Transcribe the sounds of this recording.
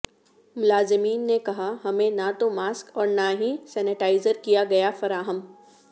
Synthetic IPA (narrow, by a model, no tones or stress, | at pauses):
mʊlaːzɪmiːnːekɐɦaɦɐmẽnat̪omaːskɔːɾnaɦĩsɛːnɪʈaːɪzəɾkijaɡɐjafɐɾaːɦəm